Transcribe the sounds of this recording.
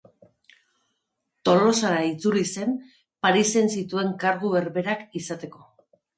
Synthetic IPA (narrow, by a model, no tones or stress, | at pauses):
t̪o̞lo̞saɾait͡suɾise̞m | paɾise̞nsit̪ue̞ŋkaɾɣueɾβe̞ɾakisat̪e̞ko̞